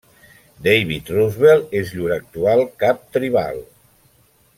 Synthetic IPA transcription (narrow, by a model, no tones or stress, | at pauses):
d̪ejβit̪ruzβelˠezʎuɾak̚t̪ualˠkap̚t̪ɾiβa̰lˠ